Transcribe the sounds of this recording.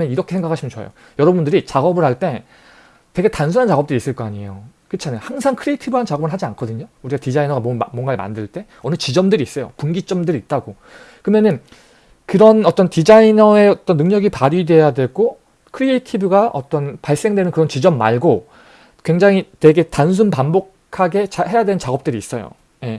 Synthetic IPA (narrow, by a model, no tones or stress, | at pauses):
jʌniɾʌkʰe̞sʰeŋɡakʰaɕʰimjʌnt͡ɕoa̰jo̰ | jʌɾʌbundɯɾit͡ɕaɡʌbɯɭɦaɭt͈e̞ | te̞ɡe̞tansʰunɦant͡ɕaɡʌp̚t͈ɯɾis͈ɯɭk͈ʌaɲiejo | kɯt͡ɕʰanehaŋsʰaŋkʰɯɾietʰibɯɦant͡ɕaɡʌbɯɭɦad͡ʑiankʰʌdɯɲouɾiɡatid͡ʑainʌɡammwʌnɡaeɭma̰ndɯɭt͈e̞ | ʌnɯt͡ɕid͡ʑʌmdɯɾiːs͈ʌjo̰puŋɡit͡ɕ͈ʌmdɯɾiːt̚t͈aɡo | kɯmenɯn | kɯɾʌnʌt͈ʌntid͡ʑainʌe̞ʌt͈ʌnːɯŋɲʌɡipaɾide̞jadwe̞ɡo | kʰɯɾietʰibɯɡaʔʌt͈ʌnpaɭs͈e̞ŋdwe̞nɯnkɯɾʌnt͡ɕid͡ʑʌmːa̰ɭɡo | kwe̞ŋd͡ʑaŋitwe̞ɡe̞tans̬ʰunpambokʰaɡe̞t͡ɕaɦe̞jadwe̞nnt͡ɕaɡʌp̚t͈ɯɾiːs͈ʌjo̰ | je̞